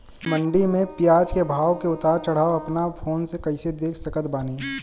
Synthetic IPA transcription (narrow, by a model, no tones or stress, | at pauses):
mɐ̃ɳɖimẽpijaːd͡ʒkebʱaːʋkeʊt̪aːɾt͡ʃɐɽ̤aːoɐpnapʰoːnsekɐɪsed̪eːkʰsɐkət̪baːniː